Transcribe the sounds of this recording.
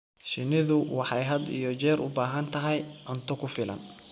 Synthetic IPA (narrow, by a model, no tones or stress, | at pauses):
ʃɪnɪðʊwɑħɑjɦɐd̪ḭjɔt͡ʃɛːɾʊ̰baːɦɐnt̪ʰɐɦɛjʔɔnt̪ʰɔkʰʊfɪlʔɐ̰n